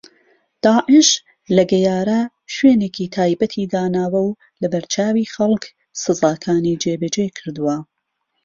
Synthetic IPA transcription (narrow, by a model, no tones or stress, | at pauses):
d̪̥aːʕɪʃ | lɐɡɐjaːɾɐ | ʃweːneːkiːt̪ʰaːjbɐt̪ʰiːd̪aːnaːwɐw | lɐbɐɾt͡ʃʰaːwiːxɐlˠk | sɨzaːkʰaːnid͡ʒeːbɐd͡ʒeːkʰɨɾd̪uwɐ